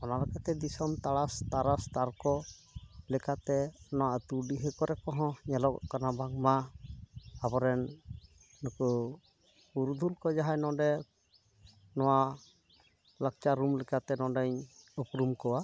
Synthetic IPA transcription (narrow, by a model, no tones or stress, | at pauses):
ɔnalakat̪ɛd̪isɔmt̪aɽast̪aɾast̪aɾkɔ | lɛkat̪ɛnɔwaʔt̪uɖiɦɛkɔɾɛkɔɦɔ̃ɲɛlɔʔkanabaŋmaː | bɔɾɛnː | ɔku | uɾud̪ʱulkɔd͡ʒaɦajnɔ̃ɖɛ | nɔwaʔ | lak̚t͡ʃaɾumlɛkat̪ɛnɔɖɛɲɔpɾumkɔwa